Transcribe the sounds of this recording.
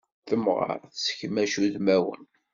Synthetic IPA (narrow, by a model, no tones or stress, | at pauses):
θəmʁə̰ɾθsə̥çmæʃuðmæwə̰n